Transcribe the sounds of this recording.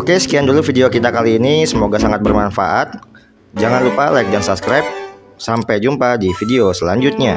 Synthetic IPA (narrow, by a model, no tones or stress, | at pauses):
okesə̥kiandulufideokit̪akaliːnisəmoɡasaŋat̪̚bərmanfa̰ʔat̪̚ | d͡ʒaŋanlupalajk̚dansaskɾajp̚ | sampajd͡ʒumpadifideosəlaɲd͡ʒut̪̚ɲa